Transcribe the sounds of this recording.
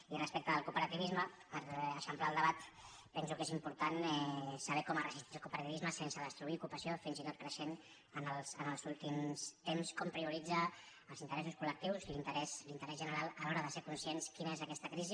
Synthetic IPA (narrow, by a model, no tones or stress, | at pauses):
ilrəspɛk̚t̪əðəlkupəɾət̪iβizməpəɾəʃəmplaəlˠd̪əβat̪ | pɛnsukezimpuɾt̪anɛsəβɛkɔmərəzist̪iəlˠkupəɾət̪iβizməsensəðəst̪ɾuiukupəsiofinzit̪ot̪kɾəʃen | ənəlˠsənəlˠzulˠt̪imst̪emskɔmpɾiuɾid͡zəː | lˠzint̪əɾɛsuskulək̚t̪iwzilint̪əɾɛslint̪əɾɛzʒənəɾalˠəlɔɾəðəseɾkunsienskinəezəkɛst̪əkɾizi